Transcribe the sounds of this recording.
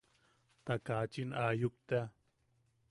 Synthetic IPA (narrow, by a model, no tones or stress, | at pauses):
t̪akat͡ʃinajuk̚t̪a